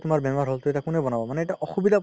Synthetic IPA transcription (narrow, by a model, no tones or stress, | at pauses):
tʊmaɹbɛnaɹɦɔltʊɛtakunɛbɔnabɔmanɛɛtaʔɔxubid̪ʱa